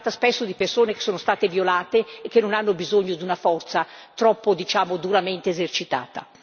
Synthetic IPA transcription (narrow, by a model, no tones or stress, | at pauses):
t̪aspesːod̪ipersoːneke̥sːoːnost̪aːt̪evjolaːt̪eːkːenːonanːobizoɲːod̪unafɔrt̪sat̪ɾɔpːod̪it͡ʃaːmod̪uɾament̪eːzert͡ʃit̪a̰ːt̪a̰